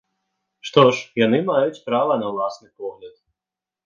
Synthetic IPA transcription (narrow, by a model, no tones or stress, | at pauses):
ʂt̪ɔʂjanɨmajut͡sʲpɾavɐnɐwlˠasnɨpɔɣlʲat̪̚